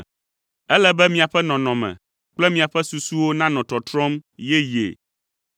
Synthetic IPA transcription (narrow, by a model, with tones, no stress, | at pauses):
ɛ˦lɛ˦bɛ˦mĩ˨a˨ɸɛ˦nɔ̃˨nɔ̃˨mɛ̰̃˨ | k͡plɛ˦mĩ˨a˨ɸɛ˦su˨su˦wo˦nã˦nɔ̃˨t̪ɔ˨t̪ɾɔ̃˦mjɛ˦jḛ˨